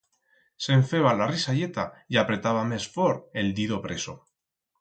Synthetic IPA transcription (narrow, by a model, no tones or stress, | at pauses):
se̞ɱfe̞β̞alarisaʝe̞t̪ajapɾe̞t̪aβame̞sfoɾe̞ld̪iðopɾe̞so